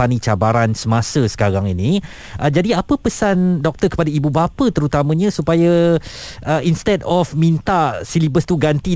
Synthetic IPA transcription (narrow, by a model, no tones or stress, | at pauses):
anit͡ʃabaɾansəmãsəsə̥kaɾaŋinĩ | ʔəd͡ʒadiapəpəsandɔk̚t̪ərkəpadaibubapət̪əɾut̪amə̃ɲãsupaja | əʔinst̪ɛdɔfmĩnt̪asilibəst̪uɡant̪i